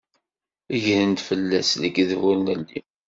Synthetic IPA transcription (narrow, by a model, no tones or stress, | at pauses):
əʝhənt̪fəlːæsləɡðvulnəlːḭ